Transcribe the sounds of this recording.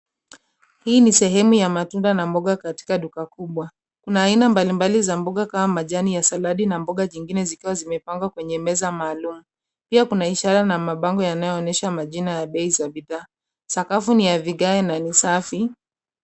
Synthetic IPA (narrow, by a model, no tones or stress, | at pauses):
hiːnisɛɦɛmujamatundanambɔɠakati̥kaɗukakuɓwa | kunaːinambalimbalizambɔɠakamamaʄanijasalaɗinambɔɠaɲiŋɡinɛzikiwazimɛpaŋɡwakwɛɲɛmɛzamaːlumu | piakunaiʃaɾanamaɓaŋɡɔjanajɔːnɛʃamaʄinajaɓɛizaɓiðaː | sakafunijaviɠaɛnanisafi